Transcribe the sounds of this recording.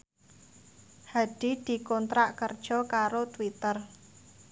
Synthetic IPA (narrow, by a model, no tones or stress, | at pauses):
haɖ̥i̤d̪̥i̤kɔnt̪ɾaʔkərd̥ʒ̥ɔ̤kaɾot̪wit̪ər